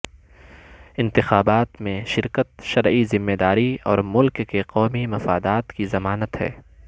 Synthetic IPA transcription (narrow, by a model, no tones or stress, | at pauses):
ɪ̃nt̪ɪxaːbaːt̪mẽʃɪɾkət̪ʃɐɾizɪmːeːd̪aːɾiɔːɾmʊlkːeqɔːmimɐfa̰ːd̪aːt̪kizɐmaːnət̪ɦɛ̰ː